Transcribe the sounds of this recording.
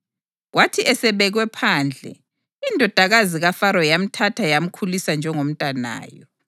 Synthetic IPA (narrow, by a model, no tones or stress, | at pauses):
ɣwatʰiʔɛsɛβɛɣwɛpʰaːnd͡ɮʱɛ̰ | indʱɔd̥ʱaɣaziɣafaɾɔjam̩tʰatʰajam̩kʰulisand͡ʒʱɛŋom̩tʼana̰ːjɔ